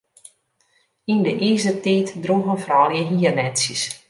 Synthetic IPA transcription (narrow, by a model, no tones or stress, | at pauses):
indəʔiːzətiːtdruɣənfrɔːljəɦiərnɛsjəs